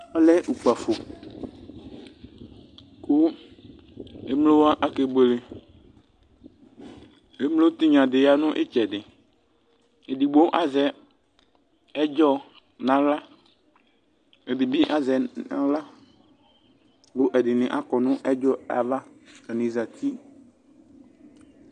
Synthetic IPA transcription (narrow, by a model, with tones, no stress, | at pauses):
ɔ˦lɛ˦ʔu˨k͡pa˨fo˨ | kʊ˦ | e˦mlo˦wa˦ʔa˦ke˦be˨le˨ | e˦mlo˦t̪i˦ɲã˨dɪ˨ja˨nʊ̃˦ʔɪ̰˦t͡ʃɛ˨dɪ˨ | e˨di˨ɡ͡bo˦ʔa˦zɛ˨ | ɛ˦d͡ʒɔ˦ | nã˨la˦ | e˨bi˨bi˦ʔa˨zɛ˨ã̰˨la˦ | bʊ˦ʔɛ˨dɪ˨nɪ̃˨ʔa˦kɔ˨nʊ̃˦ʔɛ˦d͡ʒɔ˦a̰˨va˦ka˨nĩ˨za˨t̪i˦